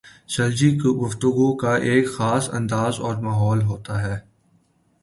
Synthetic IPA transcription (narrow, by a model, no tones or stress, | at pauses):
sɐld͡ʒikoɡʊft̪ʊɡukaʔeːkxaːsɐ̰̃nd̪aːzɔːɾmaːɦɔːlɦoːt̪aɦɛː